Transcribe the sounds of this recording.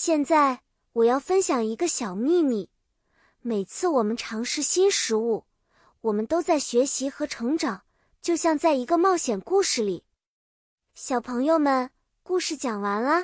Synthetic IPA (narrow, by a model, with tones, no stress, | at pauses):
ɕjɛ˥˧nt͡sa˥˩ɪ | wɔ˨˩jɑ˥˩ʊfə˥nɕjɑ˨˩ŋi˧˥ɡə˧ɕjɑ˨˩ʊmi˥˧mi˥˩ | me˨˩ɪt͡sʰɹ̩˥˩wɔ˨˩mə˦nʈ͡ʂʰɑ˧˥ŋʂɻ̩˥˩ɕi˥nʂɻ̩˧˥u˥˩ | wɔ˨˩mə˦nt̪o˥ʊt͡sa˥˩ɪɕɥɛ˧˥ɕi˧˥xɤ˧˥ʈ͡ʂʰɤ˧˥ŋʈ͡ʂɑ˨˩˦ŋ | t͡ɕjo˥˧ʊɕjɑ˥˧ŋt͡sa˥˩ɪi˧˥ɡə˧mɑ˥˩ʊɕjɛ˨˩nku˥˧ʂɻ̩˥˩li˨˩˦ | ɕjɑ˨˩ʊpʰɤ˧˥ŋjo˥˧ʊmə˨˩n | ku˥˧ʂɻ̩˥˩t͡ɕjɑ˨˩ŋwa˧˥nlə˧